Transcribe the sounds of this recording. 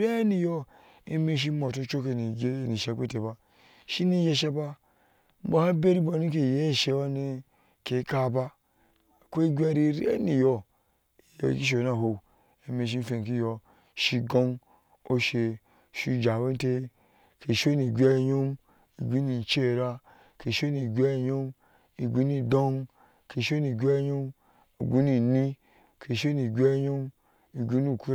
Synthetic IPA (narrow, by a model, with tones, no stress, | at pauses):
ɾa˦ni˨jo˦ | e˦me˦ʃ̬i˦mo˨to˦t͡ʃo˦ke˨ni˨˦˨ni˨ʃe˨˦˨ke˦te˨ba˦ | ʃi˦ni˦je˦ʃ̬e˦ba˦ | m̩˦bo˦ha˦be˦ɾi˦bo˨ni˦k̬e˨je˦˨ʃe˦wa˦ne˦ | ke˨˦ka˦˨ba˦˨ | kʷe˦ɡʷʲa˦ɾi˦ɾḛ˦ni˨jo˦˨ | j̰ki˦ʃ̬e˨na˨ɦo˨ | e˨˦me˨ʃ̬i˦n̩˦fe˨n˨k̬i˦jo˦ | ʃi˧ɡo˦n | o˦ʃe˨ | ʃi˦d͡ʒa˨we˦n˦te˦ | ke˨ʃo˦ni˨ɡʲʷe˦˨˦ɲo˦m | i˨ɡʷu˨˦ni˨t͡ʃe˦˨ɾa˦ | ke˨ʃo˦ni˨ɡʲʷe˦˨jo˦m | i˨ɡʷi˦ni˨do˦n | ke˨ʃo˦ni˨ɡʲʷe˦ɲo˦m | ḭ˨ɡʷu˦ni˨ni˦ | ke˨ʃo˦ni˨ɡʲʷe˦ɲo˦m | i˨ɡʷu˦ni˦˨ku˦